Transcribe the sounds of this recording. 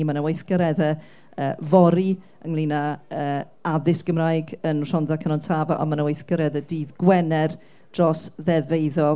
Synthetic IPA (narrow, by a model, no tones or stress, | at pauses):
manəwejθɡəɾɛðə | əːvɔɾi | əŋlˠiːnaəː | aðɪsɡ̥əmrajɡənr̥ɔnðakʰənɔntʰavaʔɔ̰nmanəwejθɡəɾɛðədiːðɡwɛnɛr | d̥rɔsðɛvejðɔ